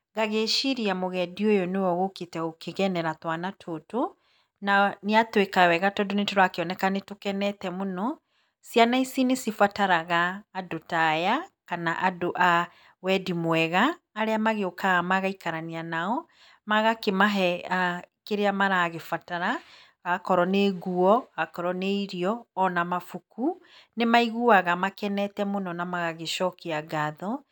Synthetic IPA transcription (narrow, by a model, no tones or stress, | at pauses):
ɣaɣeʃiɾiamoɣɛdiojɔnewɔɣoketɛokeɣɛnɛɾatwanatʰoto | naneatwekawɛɣatɔdonetoɾakeɔnɛkanetokɛnɛtɛmonɔ | sianaisinesifataɾaɣaːdotajakanaʔadoʔa | wɛdimwɛɣaːɾeamaɣeokaɣamaɣaikaɾanianaɔ | maɣakemaɦɛakeɾeamaɾaɣefataɾa | ɣakɔɾɔneɡuɔɣakɔɾɔneiɾiɔːnamafukunemaiɣuaɣamakɛnɛtɛmonɔnamaɣaɣeʃɔkeaɡaðɔ